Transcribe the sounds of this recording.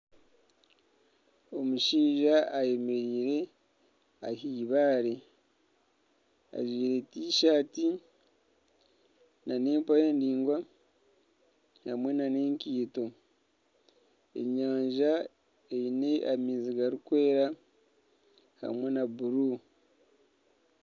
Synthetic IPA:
o̞muʃiːʒaːje̞me̞ɾiːɾe̞ | ahiːβaːɾe | a̰zwiːɾe̞tiːʃaːti | nane̞ːmpajeːndiːŋɡwa | hamwe̞nane̞ːŋkiːto̞ | ḛɲaːɲʒa | eineʔamiːziɡaɾikwe̞ːɾa | ha̰mwe̞nabuɾu

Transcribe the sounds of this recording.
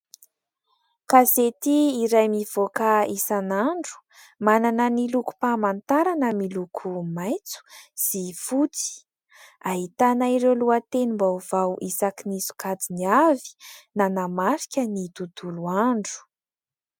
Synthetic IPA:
kazet̪iiɾajmiv̥okaisanaɳɖ͡ʐu̥ | mananəniluku̥pamant̪aɾanəmilukʰumajt͡su̥z̥ifut͡si̥ | aɦit̪anaiɾewluat̪enimbauvawʔisakinisu̥kad͡ziniavi̥nanamaɾikʲənid̪ud̪̥uluaɳɖ͡ʐu̥

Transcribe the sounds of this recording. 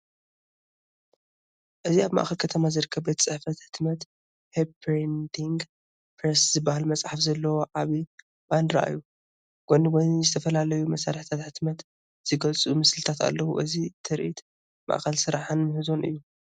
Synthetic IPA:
ʔɨziaβma̰ʔxɐlkʰɐt̪ʰɐmazɨɾɨkʰːɐbɐt̪t͡sʼɨħfɐt̪ħɨt̪mɐt̪ | hepɾend̪iŋɡ | pʰɾɐszɨbːahalmɐt͡sʼħafzɐlːɐwoʕaβi | band̪ɾa̰ʔɨ̰jːu | ɡ̥oniwonizɨt̪ʰɐfɐlalɐjumɐsaɾħit̪ʰat̪ħɨt̪mɐt̪ | z̥ɨɡɐlt͡sʼumɨslɨt̪ʰat̪a̰lːɐwṵʔɨzit̪ʰɨɾʔit̪ | ma̰ʔxɐlsɨɾaħɨnmɨhɨzo̞nʔɨ̰jːu

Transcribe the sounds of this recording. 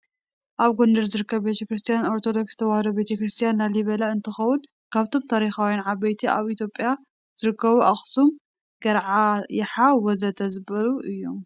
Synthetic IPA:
ʔaβɡond̪ɐɾzɨɾɨkːɐβbet̪ʰɐkɾɨst̪ʰijano̞ɾt̪ʰod̪o̞ksz̥ɨt̪ʰɐwahɐd̪obet̪ʰɐkɾɨst̪ʰijanlaliβɐlaɨnt̪ʰɐxɐwʊn | kʰaβt̪ʰo̞mt̪ʰaɾixawjanʕaβbɐjt̪ʰiʔa̰βit̪ʰjo̞pʼja | z̥ɨɾɨkːɐβuʔaxsum | ɡɐɾʕajɪħawɔzɐt̪ʰɐzɨβɐluʔɨjːom

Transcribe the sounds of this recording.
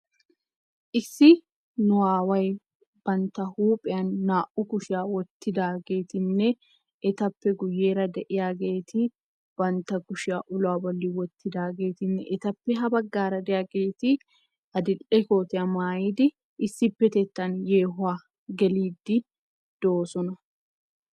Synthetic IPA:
ʔɪsːɪ | nʊwaːwɐj | b̥ɐnt̪ɐhuːpʼɪɐnːaːʔʊkʊʃɪaːwɔt̪ːɪd̪aːɡeːt̪ɪnːɛ | ʔɛt̪ɐpːɛɡʊjːeːɾɐd̪ɛʔɪjaɡeːt̪i | b̥ɐnt̪ɐɡʊʃɪaːʔʊlaːbɐlːiwɔt̪ːɪd̪aːɡeːt̪ɪnːɛʔɛt̪ɐpːɛɦɐbɐɡːaːɾɐd̪ɛjɐɡeːt̪ɪ | ʔɐd̪ɪlɛkoːt̪ɪɐmaːjɪd̪ɪ | ʔɪsːɪpːɛt̪ɛt̪ːɐnjeːɦʊaː | ɡɛliːd̪ːɪ | d̪̥oːsɔnɐ

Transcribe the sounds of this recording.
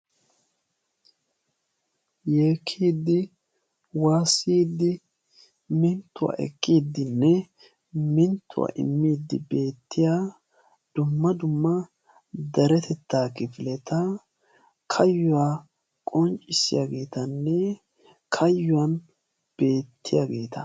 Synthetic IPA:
jeːkʰːiːd̪ːɪ | waːsːiːd̪ːɪ | mɪnt̪ːʊwa̰ːʔɛ̰kʼːiːd̪ːɪnːɛ | mɪnt̪ːʊwa̰ːʔɪ̰mːiːd̪ːɪbe̞ːt̪ːɪjaː | d̪̥ʊmːɐd̪ʊmːɐ | d̪ɐɾɛt̪ɛt̪ːaːkɪfɪlɛt̪ɐ | kʰɐjːʊwaː | kʼɔnt͡ʃʼɪsːɪjaɡe̞ːt̪ɐnːɛ | kʰɐjːʊwɐn | b̥e̞ːt̪ʰːɪjaɡe̞ːt̪ɐ

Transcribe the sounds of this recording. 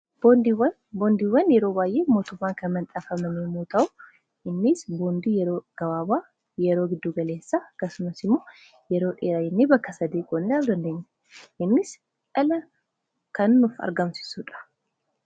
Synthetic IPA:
bond̪w | bond̪iwɐnjɛɾo̞ːbaːjʔe̞ːmoːt̪ʊmːaːŋkʰɐmɐnt̪ʼɐfɐmɐmemot̪ʰɐw | ʔɪnːɪsboːnd̪ijɛɾoːɡ̥ɐwaːbaː | jɛɾo̞ːɡɪd̪ːuɡɐle̞ːsːaɡɐsʊmɐsɪmːoː | jɛɾo̞ːᶑeːɾajɛnːeːbɐkːɐsɐd̪eːkʼonːɪlald̪ɐnd̪ɐɲːɐ | ʔɪnːɪs | ʔɐlɐ | kʰɐnːʊfɐ̰ɾɡɐmsɪ̥suːᶑɐ̥

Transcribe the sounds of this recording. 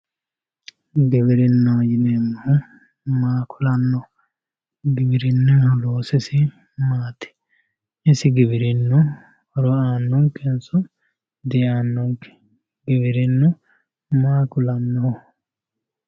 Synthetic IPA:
ɡɪbɪɾɪnːoːjɪnemːɔ | maːkʰʊlɐnːɔ | ɡɪbɪɾɪnːɛloːsɛsɪ | maːt̪ɪ̥ | ɪsɪɡɪbɪɾɪnːɔ | ɾɔaːnːɔŋkɛnsʊ | d̪ɪjaːnːɔŋkɛ̥ | ɡɪbɪɾɪnːɔ | maːkʊlɐnːɔ

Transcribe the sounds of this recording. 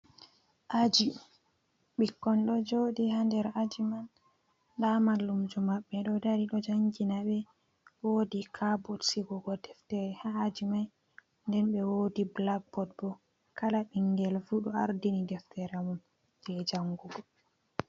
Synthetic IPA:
ʔad͡ʒi | ɓikːɔnɗɔd͡ʒoɗihandɛɾad͡ʒiman | damalːumd͡ʒumaɓːɛɗɔdaɾiɗɔd͡ʒaŋɡinaɓɛ | wodikʰabɔtsiɡɔɡɔdɛftɛɾɛhaːd͡ʒimaj | ndɛnɓɛwodiblaɡ̚bɔd̚bɔ | kalaɓiŋɡɛlfuɗɔa̰ɾdinidɛftɛɾamun | d͡ʒɛd͡ʒaŋɡuɡɔ

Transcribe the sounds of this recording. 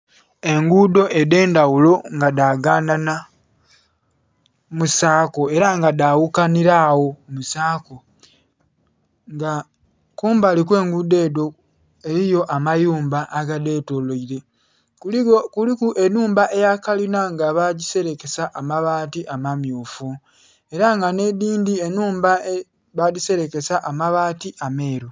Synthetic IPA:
e̞ŋɡudo̞ʔe̞de̞ːndawulo̞ŋɡadaːɡaːndana | musaːko̞e̞ɾaŋɡadawukaniɾawo̞musaːko̞ | ŋɡa | kuːmbalikwe̞ːŋɡuːde̞ːdo̞ | e̞ɾijo̞ʔamajuːmbaʔːɡade̞ːtoloiɾe̞ | kulkulikuʔe̞nuːmbaʔe̞jakalinaŋɡaβaɟise̞ɾe̞ke̞saʔamaβaːtiʔamamjuːfu | e̞ɾaŋɡane̞diːndienuːmbae | βaɟise̞ɾe̞ke̞saʔamaβaːtiʔame̞ːɾo

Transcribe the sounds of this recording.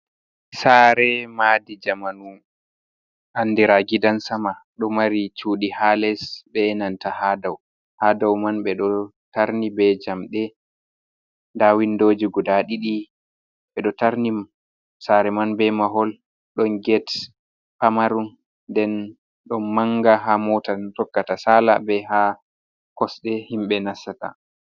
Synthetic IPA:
saːɾɛmaːdid͡ʒamanu | ʔanːdiɾaɡidansamaɗɔmaɾit͡ʃuːɗihalɛsbɛnantahadaw | hadawmanɓɛɗɔ | taɾnibɛd͡ʒamɗɛ | ndawindoːd͡ʒiɡudaɗiɗi | ɓɛɗɔtaɾni | saɾɛmanbɛmaɦɔl | ɗɔnɡɛt | pamaɾun | dɛn | ɗɔnmaŋɡaɦamɔtatɔkːatasala̰bɛɦa | kɔsɗɛhimɓɛnasːata̰

